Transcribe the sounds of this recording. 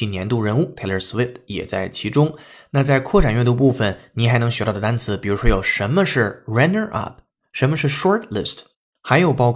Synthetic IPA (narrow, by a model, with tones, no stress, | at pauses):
i˥˩njɛ˧˥nt̪u˥˧˩ɻə˧˥nu˥˩t̪ʰa˥˩lə˧˥swi˥˩ft̪ʰjɛ̰˨˩t͡sa˥˩ɪt͡ɕʰi˧˥ʈ͡ʂʊ˥ŋna˥˧t͡sa˥˧ɪkʰwɔ˥˩ʈ͡ʂa˨˩nɥɛ˥˩nt̪u˧p̬u˥˩fə˩nni˨˥xa˧˥ɪnɤ˧˥ŋɕɛ˧˥t̪ɑ˥˩d̪ə˩t̪a˥nt͡sʰɹ̩˧˥pi˨˩ɻu˧˥ʂwɔ˥jo˨˩ʊʂə˧˥nmə˧ʂɻ̩˥˩ɹɛ˥nə˧ʔɐ̰˥˩p̚ʰ | ʂə˧˥nmə˧ʂɻ̩˥˩ʂɔ˥t̪ʰlɪ̰˥˩st | xa˧˥ɪjo˨˩ʊpɑ˥˧k